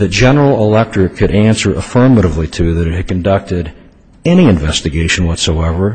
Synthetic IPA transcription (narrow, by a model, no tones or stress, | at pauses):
ðɨt̚d̥ʒ̥ɛnə˞l̩ˠəlɛk̚tɹɨkʰɨɾʔæ̃nsə˞ʔəfɜ˞məɾəvlitʰʉðɨɾɨt̚hɨd̚kʰɨ̃n̩dʌk̚tɪɾ | ɛñiɨ̃nɱvɛstɨɡeɪʃɨ̃n̩wʌtsoʊɛvə˞